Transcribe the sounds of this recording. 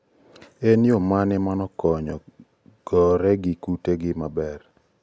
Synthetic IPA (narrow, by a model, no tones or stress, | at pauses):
enjomanɪmanɔkɔɲɔ | ɡ̥ɔɾɛɡɪkuteɡɪmabɛr